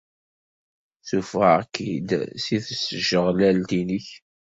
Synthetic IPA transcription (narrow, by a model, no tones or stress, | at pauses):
θufæækʰid̪siθəsːəʒəʁlælt̪iniç